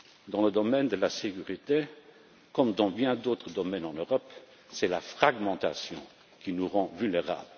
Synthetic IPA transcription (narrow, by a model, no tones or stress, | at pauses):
d̪ɑ̃ləd̪ɔmɛnd̪əlasekyʁit̪e | kɔmd̪ɑ̃bjɛ̃d̪oːt̪χəd̪ɔmɛnɑ̃nøʁɔp | sɛlafχaɡmɑ̃t̪a̰sjɔ̰̃ | kinuʁɑ̃vylneʁa̰ːblə